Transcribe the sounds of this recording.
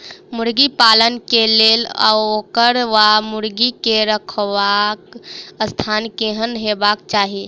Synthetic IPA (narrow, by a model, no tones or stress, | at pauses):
muɾɡipalənkelela̰okəɾʋamuɾɡikeɾəkʰʋakəst̪ʰankeɦənɦebakt͡ʃaɦi